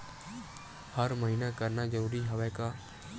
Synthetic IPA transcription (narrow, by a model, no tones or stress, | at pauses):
həɾməɦiːnakəɾnad͡ʒəɾuːɾiɦɐʋɛːka